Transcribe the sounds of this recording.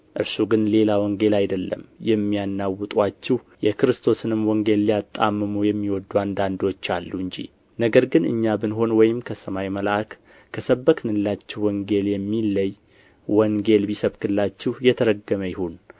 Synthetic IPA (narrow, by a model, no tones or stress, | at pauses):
ʔɨɾsuɡɨnle̞lawɔŋɡe̞lajd̪əlːə̰mjɛmːijanːawɨt̪ʼwat͡ʃːɛh | jɛkɨɾɨst̪ʰo̞sɨnɨmwɔŋɡe̞lːijat̪ʼːamːɨmujɛmːiwɔd̪ːuand̪and̪o̞t͡ʃːalːuɨɲd͡ʒḭ | nəɡəɾɡɨnɨ̰ɲːabɨnɦo̞nwɔjɪmkʰəsəmajməlakːʰ | əsəbːəkʰɨnɨlːat͡ʃːɛhwɔŋɡe̞ljɛmːilːəj | wɔŋɡe̞lbisəβkɨlːat͡ʃːɛhjɛt̪ʰəɾəɡːəməjɪhun